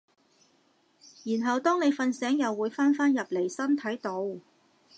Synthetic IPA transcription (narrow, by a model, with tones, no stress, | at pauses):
jiː˨˩nɦɐ˨wt̪ɔː˥ŋne˨˧jfɐ˧nsɛː˨˥ŋjɐ˨wːuː˨˧jfaː˥nfaː˥njɐ˨p̚le˨˩jsɐ˥nt̪ʰɐ˨˥jt̪o˧w